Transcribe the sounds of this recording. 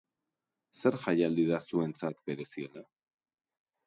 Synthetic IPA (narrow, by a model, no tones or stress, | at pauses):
se̞ɾʝajald̪iðasue̞nt͡sat̪be̞ɾe̞sie̞la